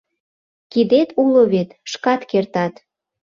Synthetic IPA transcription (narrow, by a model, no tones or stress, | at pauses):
kid̪et̪uloβet̪ʃkɑt̪kert̪ɑt̪